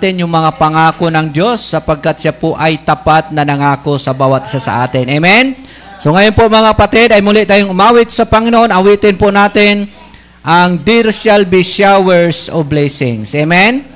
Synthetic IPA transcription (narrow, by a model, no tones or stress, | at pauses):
t̪ɪnjʊŋmɐŋapɐŋaːkonɐŋd̪jo̞sːɐpɐɡ̚kat̪̚ʃapoʔɐjt̪ɐpat̪̚nɐnɐŋaːko̞sɐbaːwɐt̪ʔɪ̥sasɐ̰ʔa̰ːt̪ɪnemɛn | so̞ŋɐjonpoɐŋmɐŋapɐt̪ɪd̪ɐjmʊlɪʔt̪aːjʊŋʊmaːwɪt̪̚sɐpɐŋɪnoʔonɐwiːt̪ɪnponaːt̪ɪn | ʔɐŋd̪ɪɾʃalbɪʃawɛɹsoblɛsɪŋsʔɛmɛn